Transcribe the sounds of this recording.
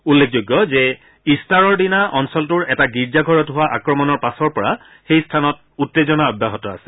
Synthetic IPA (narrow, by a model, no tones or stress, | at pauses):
ulːekʰzoɡːɔzɛ | istaɹɔɹdinaʔɔnsɔltʊɹɛtaɡiɹzaɡʱɔɹɔtɦʊwaʔakɹɔmɔnɔɹpasɔɹpɔɹa | xejstʰanɔt̚ | utːezɔnaɔdʱːaɦɔtɔa̰sɛ̥